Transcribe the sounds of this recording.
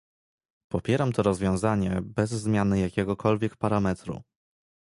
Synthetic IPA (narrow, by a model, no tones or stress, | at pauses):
pɔpʲjɛɾamt̪ɔɾɔzvʲjɔ̃w̃zaɲɛbɛzːmʲjanɘjakʲɛɡɔkʰɔlvʲjɛkpaɾamɛt̪ɾṵ